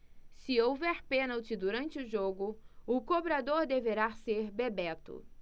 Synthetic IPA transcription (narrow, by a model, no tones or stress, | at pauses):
sɪowvɛɾpẽnawt͡ʃɪd̪uɾɐ̃nt͡ʃɪʊʒoɡʊʊkobɾad̪oɾd̪eveɾaseɾbebɛt̪ʊ̰